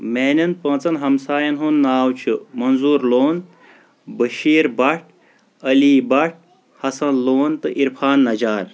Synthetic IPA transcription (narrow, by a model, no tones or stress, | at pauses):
meːnʲɐnpɐ̃ːt͡sɐnɦɐmsaːjɐnɦunːaːwt͡ʃʰumɐnzuːɾloːn | bəʃiːɾbɐʈ̚ʰ | ɐliːbɐʈ̚ | hɐsɐnloːnt̪ɨʔiɾfʰaːnːɐd͡ʒaːɾ